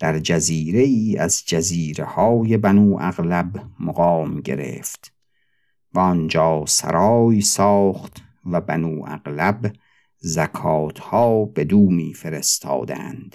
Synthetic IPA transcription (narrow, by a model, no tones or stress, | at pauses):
d̪̥æɾd͡ʒæziːɾe̞iːæzd͡ʒæziːɾe̞hɒːjebænuːʔæɣlæbmoɣɑːmɡe̞̰ɾḛːft̪ | væɒnd͡ʒɒːsæ̰ɾʔɒːjsɒːχt̪ | væbænuːʔæ̰ɣlæb | zækʰɒːt̪ʰhɒːbe̞d̪uːmiːfe̞ɾe̞st̪ʰɒ̰ːd̪æ̰nd̪̥